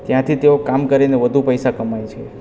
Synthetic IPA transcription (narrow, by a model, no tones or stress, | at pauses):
t̪jãt̪ʰit̪eokamkəɾineʋəd̪ʱupəjsakəmajt͡ʃʰe